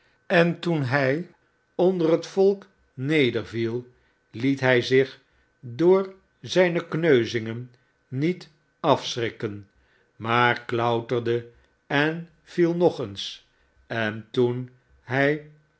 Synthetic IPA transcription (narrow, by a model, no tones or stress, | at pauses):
ɛntunɦɛj | ɔndərɦətfɔlˠk | nejdəɹvilˠ | litɦɛjzɪχ | dʊːɹ | zɛjnəknøɥzɪŋənː | it | ɑfsrɪkən | maːɹklʌwtərdə | ɛn | v̥ilˠnɔχəns | ɛntun | ɦɛj